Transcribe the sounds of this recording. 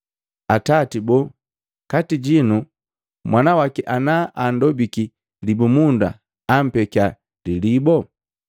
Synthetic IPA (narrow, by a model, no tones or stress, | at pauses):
atatibɔ | katiɟinu | mwʔanawakɛʔanaʔandɔbiki | libumunda̰ː | m̩pɛkja | lilibɔ